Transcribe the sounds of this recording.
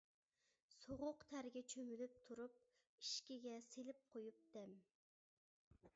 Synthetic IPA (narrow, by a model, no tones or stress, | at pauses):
soʁʊqt̪ʰæɾɡʲɛt͡ʃʰømylyp̚t̪ʰuɾup̚ | iʃkʲiɡʲɛselɪp̚qʰojup̚d̪̥ɛm